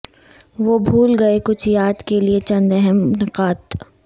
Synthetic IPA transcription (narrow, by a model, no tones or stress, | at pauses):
ʋobʱuːlɡɐekʊt͡ʃʰjaːd̪keliet͡ʃɐ̃nd̪ɛɦɛmnɪqaːt̪